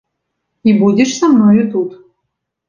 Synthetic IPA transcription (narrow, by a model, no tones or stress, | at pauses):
ibudʲɪʂsamnojut̪ut̪